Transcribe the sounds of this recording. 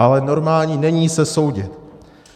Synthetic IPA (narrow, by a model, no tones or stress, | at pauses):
alɛno̞ɾmaːlɲinɛɲiːsɛso̞wɟɪ̰t̪